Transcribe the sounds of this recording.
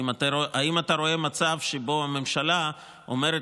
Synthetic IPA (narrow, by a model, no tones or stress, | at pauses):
mataʔaimataɾo̞e̞mat͡savʃebo̞ame̞mʃala | o̰me̞ɾe